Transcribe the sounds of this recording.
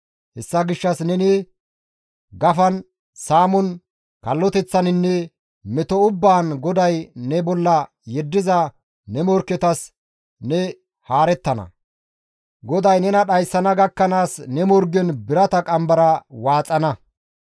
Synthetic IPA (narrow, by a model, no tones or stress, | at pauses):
hɛsːɐɡɪʃːɐsnɛnɪ | ɡɐfɐn | saːmɔn | kɐlːɔt̪ɛt͡sːɐnɪnːɛ | mɛt̪ɔʊbːaːnɡɔd̪ɐjnɛbɔlːɐ | jɛd̪ːɪzɐ | nɛmɔɾkːɛt̪ɐs | nɛ | haːɾɛt̪ːɐnɐ̰ | ɡɔd̪ɐjnɛnɐɗɐjsːɐnɐɡɐkːɐnaːsnɛmɔɾɡɛnbɪɾɐt̪ɐkʼɐmbɐɾɐwaːt͡sʼːɐnɐ